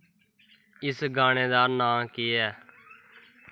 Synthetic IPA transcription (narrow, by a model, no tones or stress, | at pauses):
ɪsɡaːɽ̃eːd̪aːnãːkeːɛː